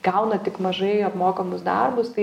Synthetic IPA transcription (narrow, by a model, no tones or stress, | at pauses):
ɡ̥ɐʊnɐt̪ʲɪkmɐʒɐɪɐpmoːkɐmʊsd̪ɐrbʊst̪ɐɪ